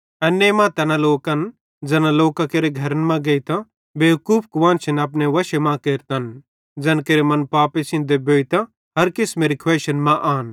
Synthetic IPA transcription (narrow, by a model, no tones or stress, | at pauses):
ɛnːemãt̪ɐnãloːkɐn | d͡zɐnãloːkãkeːɾeɡʱɐɾənmãɡɐit̪ã | beːkuːpʰkʊʋãːnt͡ʃʰɐnɐp̬neʋɐʃemãkeːɾt̪an | d͡zɛːnkeːɾemɐnpaːpesʰɪ̃nd̪eboːit̪ã | ɦɐɾkesmeːɾikʰʋɛːʃənmãʔaːn